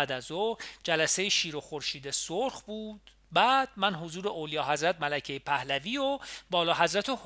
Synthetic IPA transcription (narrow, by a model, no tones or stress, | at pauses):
d̪æzod͡ʒælæsejeʃiːɾoxoɾʃiːd̪esoɾxbuːd̪̥ | bæːd̪̥̚mænɦo̞zuːɾeʔoːlijɒːɦæzɾæt̪̚mælæcʰejepʰæhlæviːobɒːlɒːɦæzɾæt̪ʰoh